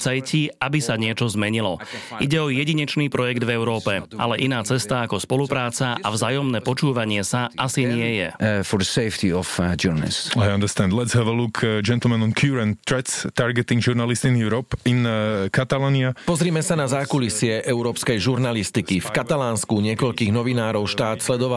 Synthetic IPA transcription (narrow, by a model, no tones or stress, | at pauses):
t͡sɛjciabisaɲɪɛt͡ʃɔzmɛɲilɔʔḭɟɛɔjɛɟiɲɛt͡ʃniːpɾɔjɛɡd̪vɛʊɾɔːpɛʔa̰lɛʔinaːt͡sɛst̪aːkɔspɔlupɾaːt͡saʔavzaːjɔmnɛːpɔt͡ʃuːʋaɲɪɛsaʔasiɲɪɛjɛ̰fɔɾdəseɪft̪iɔfd͡ʒuɾna̰lḭsajãnd̪ɛɾst̪ɛ̃nd̪lɛt̪sɦɛʋəlukʰd͡ʒɛnt̪l̩ˠmɛ̃nɔ̃nkʰjuɾɛ̃nt̪ɾɛt̪st̪aɾɡɛt̪ĩŋɡʒuɾnalistinjuɾɔpinkat̪alaːniapɔzɾiːmɛsanazaːkulisɪɛʔɛʊɾɔːpskɛjʒuɾnalist̪ikifkat̪alaːnskuɲɪɛkɔʎkiːɣnɔʋinaːɾɔʊʃt̪aːt̪slɛd̪ɔʋa